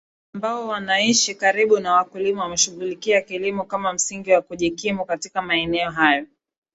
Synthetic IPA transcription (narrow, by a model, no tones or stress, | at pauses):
ambaɔwanaiʃikaɾiɓunawakulimawamɛʃuɣulikiakilimukamam̩siŋɡiwakuʄikimukatikamaɛnɛɔɦajɔ